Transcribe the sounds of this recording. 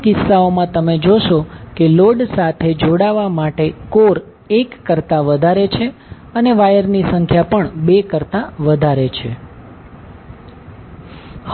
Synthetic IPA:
kɪsːaomãt̪əmed͡ʒoʃokeloɖsat̪ʰed͡ʒoɽaʋamaʈekoɾ | ekːəɾt̪aʋəd̪ʱaɾet͡ʃʰe | əneʋajəɾnisəŋkʰjapəɳbekəɾt̪aʋəd̪ʱaɾet͡ʃʰḛ

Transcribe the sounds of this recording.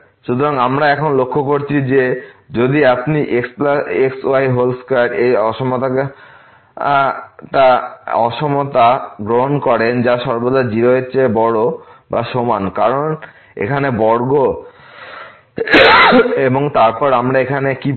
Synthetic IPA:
ʃut̪oɾaŋamɾaɛkʰonlokʰːokoɾt͡ɕʰid͡ʑed͡ʑod̪iapniʔekspaeksoajɦolskaɾejɔʃomot̪a | ʈaɔ̰ʃomot̪aɡɾoɦonkɔɾend͡ʑaʃɔɾbod̪ad͡ʑiɾoɦeːɕʰebɔɽo | ba̰ʃomankaɾon | ḛkʰanebɔɾɡo | eboŋt̪aɾpɔɾamɾaekʰaneki

